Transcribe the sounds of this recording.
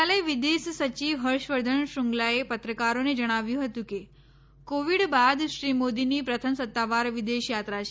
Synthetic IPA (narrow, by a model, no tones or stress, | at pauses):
aleʋɪd̪eʃsət͡ʃiʋɦəɾʃʋəɾd̪ʱənʃuŋɡlaepət̪ɾəkaɾoned͡ʒəɽ̃aʋjũɦət̪ũke | koʋiɽbad̪ʃɾimod̪inipɾət̪ʰəmsət̪ːaʋaɾʋɪd̪eʃjat̪ɾat͡ʃʰ